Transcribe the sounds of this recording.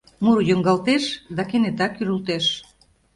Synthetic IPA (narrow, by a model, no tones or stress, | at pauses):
muɾjøŋɡɑlt̪eʃd̪ɑkenet̪ɑkyɾult̪eʃ